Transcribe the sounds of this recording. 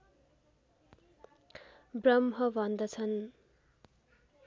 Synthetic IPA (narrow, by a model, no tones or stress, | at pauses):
brʌmɦʌbʱʌnd̪ʌt͡sʰʌn